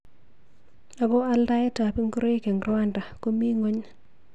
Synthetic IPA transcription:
a˨bɔ˦a˦lda˦jɛ˦ta˨pi˦ŋɡu˦ɾo˦i˦ke˨ŋɡɾwa˦nda˨ko˦mi˦ŋo˦ɲ

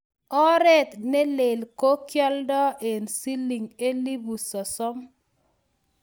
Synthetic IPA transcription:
ɔ˦ɾɛ˦t̪ne˦le˨lko˦kjɔ˦ldɔ˦ʔe˨nsi˦li˨ŋe˦li˦bu˨sɔ˨sɔ˦m

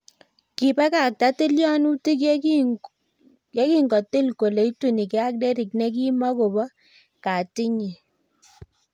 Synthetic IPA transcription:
ki˨pɛ˦ka˨k̚ta˦ti˦ljɔ˦nu˦ti˦k | jɛ˦ki˦ŋɡɔ˨tɪ˦lko˨le˨˦i˦tu˦˨ni˨kɛ˨˦a˦k̚de˦ɾi˨knɛ˦k̬i˦ma˦ko˨bɔ˦ | ka˨ti˦ɲi˨

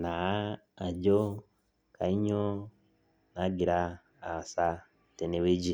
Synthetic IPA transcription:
na˨aː˦˨ | ɟo˦ | ka˨i˦ɲo˦ | na˦ɡi˨ɾaː˦˨ | sa˦ | tene˦we˦ɟi˨

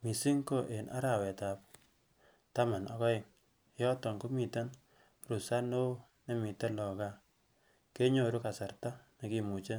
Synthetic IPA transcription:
mi˨si˦ŋko˦˨ʔe˨nʔa̰˦ɾa˨wɛ˨ta˨p̚ | ta˦ma˨nɔ̰˨kɔ˦ɪ˨ŋ˦ | jɔ˦tɔ˨ŋko˦mi˨ta˦n | ɾu˨sa˦no˦ | ne˦mi˨te˦lɔ˨ka˦ | ke˦ɲo˨ɾu˦ka˨sa˨ɾta˦ne˨ki˨mu˨t͡ʃe˦

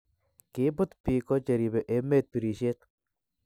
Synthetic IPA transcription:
kɪ˨˦bʊ˦t̪pi˨ko˦t͡ʃe˨ɾi˨be˨ʔe˨˦me˦˨t̪̚pi˨ɾi˨ʃe˦t̪̚

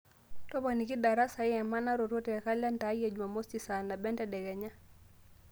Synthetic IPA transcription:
tɔ˦ba˨ni˨ki˦ɗa˨ɾa˦sa˨i˦ɛ˨ma˦na˦ɾɔ˨ɾɔ˦tɛ˨ka˦la˦nta˨˦jɛ˨d͡ʒu˨ma˨mo˦sti˨sa˨na˨bɛ˦ntɛ˨ɗɛ˨ɡɛ˨ɲa˦

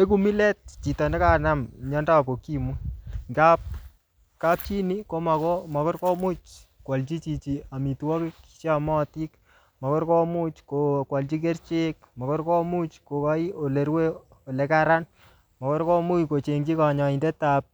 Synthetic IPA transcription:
e˦ku˦mi˦le˦t̚t͡ʃi˨ta˨nde˦ka˨namɲɔ˦nda˦˨po˨ki˦mu˦ŋɡa˦p̚ | ka˦p̚t͡ʃi˦ni˦ko˦ma˨kɔ˦ma˨kɔ˦ɾkɔ˦mu˦t͡ʃkwa˨lt͡ʃi˦t͡ʃi˨t͡ʃi˨a˨mi˨tu˦wɔ˦kɪ˦kt͡ʃa˨mɔ˦ti˦k | mɔ˨kɔ˦ɾkɔ˦mu˦t͡ʃko˨kwa˨lt͡ʃi˦k̬e˦ɾt͡ʃe˦k̚ | mɔ˨kɔ˦ɾkɔ˦mu˦t͡ʃko˨ka˦i˦o˨le˨ɾwe˦ | o˨le˨ka˦ɾa˦n | mɔ˨kɔ˦ɾkɔ˦mu˦ko˨t͡ʃe˨ŋd͡ʒi˦ka˨ɲɔ˨i˨nde˦tap̚

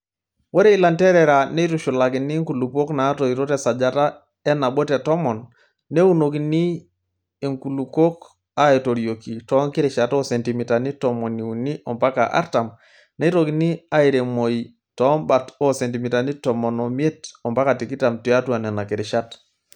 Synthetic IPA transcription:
wɔ˦ɾɛ˦i˦la˨ntɛ˦ɾɛ˨ɾa˨nɛ˦i˦tu˨ʃu˨la˨ki˨ni˦ŋku˨lu˨po˦knaː˨˦tɔ˨iɾo˦tɛsa˨d͡ʒa˨ta˦ | ɛ˦na˨ɓɔ˦tɛ˨tɔ˦mɔ˨nː | ɛ˦u˦no˨ki˨niː˦˨ | ŋku˨luko˦k | a˨i˨to˨ɾjo˨ki˨tɔ˨˦ŋki˦ɾɪ˨ʃa˨tɔ˦sɛ˨nti˨mi˨ta˨ni˦tɔmɔ˨ni˨u˨ni˦ʔɔ˨mpa˦ka˨ʔa̰˦ɾta˨m | nɛ˦i˦ɾoki˨ni˦a˦i˨ɾe˨mo˨i | tɔ˦mba˨tɔ˦sɛ˨nti˨mi˨ta˨ni˦tɔ˨mɔ˨nɔ˨m˦e˦tɔ˨mpa˦ka˨ti˨ki˦ta˨mti˨a˦tu˦a˨nɛ˨na˨ki˨ɾɪ˨ʃa˦t

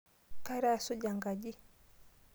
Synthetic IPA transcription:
ka˦ɾa˦a˨su˦d͡ʒa˨ŋɡa˨ʄi˦

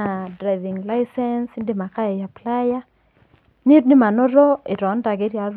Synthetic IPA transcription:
a˨dɾa˨jvi˨ŋla˦isɛ˦nsnde˦ma˨ka˦e˨ja˨pla˦ja˦ | ne˦tnɪ˦ma˨nɔ˦ɾɔ˦e˨ɾɔ˨˦nda˨ɡe˦ɾja˨ɾ

